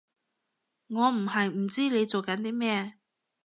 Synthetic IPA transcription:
ŋɔː˨˧m̩˨˩hɐ˨jm̩˨˩t͡siː˥le˨˧jt͡so˨wkɐ˨˥nt̪iː˥mɛː˥˧

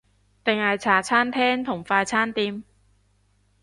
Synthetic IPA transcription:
t̪ɪ˨ŋhɐ˨jt͡sʰaː˨˩t͡sʰaː˥nt̪ʰɛː˥ŋt̪ʰʊ˨˩ŋfaː˧jt͡sʰaː˥nt̪iː˧m

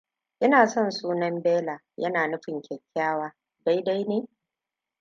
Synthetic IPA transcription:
ʔɪ˦naː˨sɔ˦˨nsuː˦nɐ˦mbeː˦laː˨ | jɐ˦naː˨nʊ˦ɸɪ˨ŋkʲɛ˨kʲʰːaː˦waː˦ | da˦jda˦jneː˦

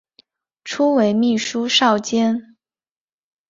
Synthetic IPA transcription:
ʈ͡ʂʰu˥we˧˥ɪmi˥˩ʂu˥ʂɑ˥˩ʊt͡ɕjɛ˥n

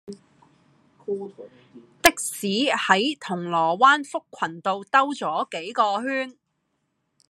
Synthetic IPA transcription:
t̪ɪ˥k̚siː˨˥hɐ˨˥jt̪ʰʊ˨˩ŋlɔː˨˩waː˥nfʊ˥kʷʰːɐ˨˩nt̪o˨wt̪ɐ˥wt͡sɔː˨˥ke˨˥jkɔː˧ɦyː˥n

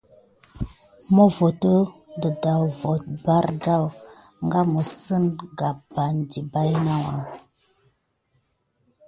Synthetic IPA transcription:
mo˦vo˨tə˦də˨da˨wvo˨t̚ba˦ɾda˦w | ŋɡa˦mə˨sə˦nɡa˨p̚ba˨n˨di˨ba˦jna˦wa˨

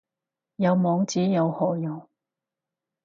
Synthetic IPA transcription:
jɐ˨˧wmɔː˨˧ŋt͡siː˨˥jɐ˨˧whɔː˨jɐ˨˧w

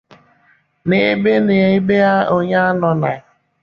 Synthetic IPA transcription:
ne˦be˦ne˨˦i˦be˦a˦o˨ɲa˦a˦nɔ˨na˨

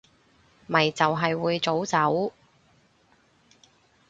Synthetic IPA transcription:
mɐ˨˩jt͡sɐ˨wɦɐ˨jwuː˨˧jt͡so˨˥wt͡sɐ˨˥w

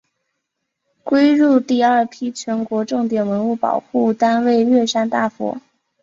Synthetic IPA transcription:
kwe˥ɪɻu˥˧t̪i˥˧ə˞˥˩pʰi˥t͡ɕʰɥɛ˧˥nkwɔ˧˥ʈ͡ʂɤ˥˩ŋt̪jɛ˨˩nwə˧˥nu˥˩pɑ̰˨˩ʊxu˥˩t̪a˥nwe˥˧ɪɥɛ˥˩ʂa˥nt̪a˥˩fɔ̰˧˥˦

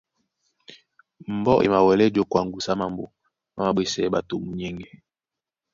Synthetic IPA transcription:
m̩˨bɔ˦ʔḛ˨ma˨wɛ˨lɛ˦d͡ʒo˦kwa˨ŋ˨ɡu˨sa˦ma˨mbo̰˨ | ma˦ma˨ɓe˦sɛː˦ɓa˨to˨mu˨ɲɛ˦ŋɡɛ˨

